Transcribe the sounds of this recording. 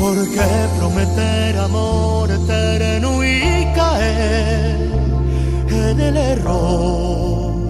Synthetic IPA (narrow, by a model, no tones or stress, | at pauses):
poɾke | pɾomet̪e | ɾamo | ɾet̪eɾenuji | ka | e | ɾ | enelero